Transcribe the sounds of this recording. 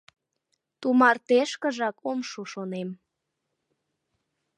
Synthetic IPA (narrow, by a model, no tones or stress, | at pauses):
t̪umɑrt̪eʃkə̆ʒɑkomʃoʃonem